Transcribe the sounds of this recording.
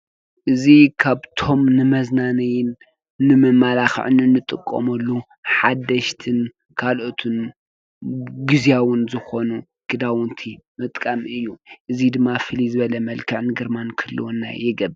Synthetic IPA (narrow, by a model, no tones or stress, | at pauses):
ʔɨzikʰaβt̪ʰo̞mnɨmɐznanɐjɪn | nɨmɨmːalaxʕɨnɨnːɨt̪ʼɨkʼːo̰mɐlːu | ħad̪ɐʃt̪ʰɨn | kʰalʔo̞t̪ʰɨn | ɡɨzjawʊnzɨxo̞nu | ɡ̥ɨd̪awʊnt̪ʰimɨt̪ʼkʼamɨjːuʔɨzid̪ɨmːafɨlizɨβɐlɐmɐlkʰɨʕnɨɡɐɾmankʰɨlːṵwnːa̰jɪɡɐb